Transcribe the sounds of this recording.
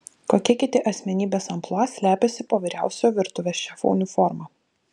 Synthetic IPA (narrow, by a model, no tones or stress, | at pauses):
koːkʲɛkʲɪt̪ʲɪʔɐsʲmʲɛnʲiːbʲeːsɐmplˠɑsʲlʲæːpʲɛsʲɪpoːʋʲiːɾʲæˑʊsʲoːʋʲɪɾt̪ʊʋʲeːsʃʲɛfɔ̰ʊnʲuːfɔɾmɑː